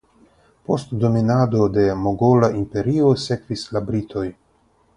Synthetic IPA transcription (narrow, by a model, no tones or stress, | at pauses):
po̞stdo̞minado̞de̞mo̞ɡo̞laimpe̞ɾio̞se̞kvislabɾitʰo̞j